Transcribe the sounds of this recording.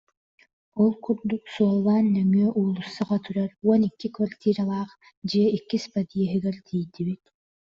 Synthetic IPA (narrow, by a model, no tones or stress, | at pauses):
ɔlˠkʰuɾd̪uqsuɔlˠːɑːnːøŋyœʔuːlˠusːɯʁɑt̪ʰyɾaɾɔnikːikvart̪ʲiːɾalˠɑːq | d͡ʒɛikːispɐd̪ʲijɛɦiɡɛɾt̪ʰiːjd̪iβit̪